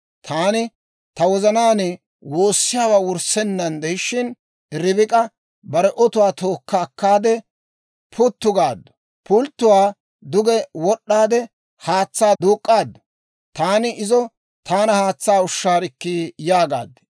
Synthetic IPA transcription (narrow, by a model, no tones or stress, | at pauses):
t̪ʰaːnɪ | t̪ɐwɔzɐnaːnɛ | woːsːɪjaːwaːwʊɾsɛnːɐnd̪ɛhɪʃɪn | ɪrːɪbɪkʼɐ | bɐɾɛʔɔt̪ʊwaːt̪o̞ːkːɐːkːaːd̪ɛ | pʰʊt̪ːʊɡaːd̪ːɔ̥ | pʊlt̪ːʊwaː | d̪ʊɡɛwɔɗːaːd̪ɛ | haːt͡sːaːd̪uːkʼːaːd̪ːɔ̥ | t̪aːnɪɪzɔ | t̪aːnɐhaːt͡sːaːʊʃːaːɾɪkːiːjaːɡa̰ːd̪ːɛ̥